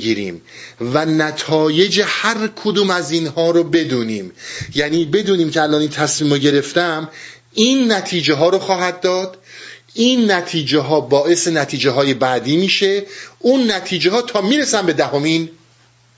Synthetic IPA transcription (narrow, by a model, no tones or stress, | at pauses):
ɡiːɾḭːm | vænæt̪ʰɒːje̞d͡ʒehæɾkʰod̪uːmæzinhɒːɾobe̞d̪uːniːmjæniːbe̞d̪uːniːmcʰeælɒːnint̪ʰæsmiːmoɟe̞ɾe̞ft̪æm | iːnːæt̪ʰiːd͡ʒeɦɒːɾoxɒːɦæd̪̚ːɒːd̪̥ʔiːnːæt̪ʰiːd͡ʒeɦɒːbɒːʔe̞se̞næt̪ʰiːd͡ʒeɦɒːje̞bæd̪iːmiːʃe̞uːnːæt̪ʰiːd͡ʒeɦɒːt̪ʰɒːmiːɾesænbe̞d̪æhomiːn